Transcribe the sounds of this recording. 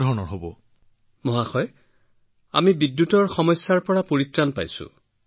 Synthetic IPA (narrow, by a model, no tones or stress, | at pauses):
dʱɔɹɔnɔɹɦobɔ | mɔɦaxɔj | a̰mibidjutɔɹxɔmɔjsːaɹpɔɹapoɹitɹanpa̰jsʊ̰